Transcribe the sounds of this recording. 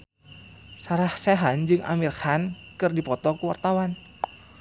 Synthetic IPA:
saɾahseɦand͡ʒɨŋa̰mirhankɨrdipɔt̪ɔkuwart̪awan

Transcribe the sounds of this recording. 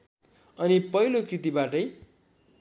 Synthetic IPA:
ʌnipʌilokrit̪ibaʈʌj

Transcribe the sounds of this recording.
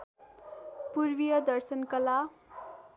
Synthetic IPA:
purbijʌd̪ʌrsʌnkʌla

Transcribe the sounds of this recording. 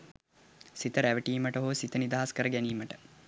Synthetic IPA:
sit̪əɾæʋəʈiːməʈəɦoːsit̪ənid̪aɦaskəɾəɡæniːməʈə̥

